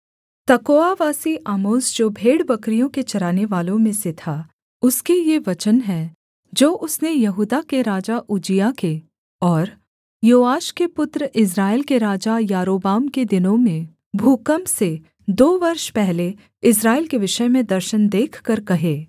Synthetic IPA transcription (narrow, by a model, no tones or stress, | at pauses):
t̪ɐkoːaʋaːsiʔaːmoːsd͡ʒoːbʱeːɽbɐkɾijõket͡ʃɐɾaːneʋaːlõmẽset̪ʰa | ʊskejeʋɐt͡ʃənɦɛ | d͡ʒoːʔʊsnejɐɦuːd̪akeɾaːd͡ʒaʔʊd͡ʒijake | ɔːɾ | joːaːʃkepʊt̪ɾəʔɪs̬ɾaːɪlkeɾaːd͡ʒajaːɾoːbaːmked̪ɪnõmẽ | bʱuːkəmse | d̪oːʋɐɾʃpɛɦle | ɪs̬ɾaːelkeʋɪʃəmẽd̪ɐɾʃənd̪eːkʰkɐɾkɐɦeː